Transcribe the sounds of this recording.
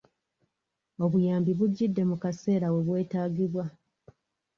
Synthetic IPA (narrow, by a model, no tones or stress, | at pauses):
o̞βujaːmbiβuɟːidːe̞mukase̞ːɾawe̞βwe̞ːtaːɡiβwa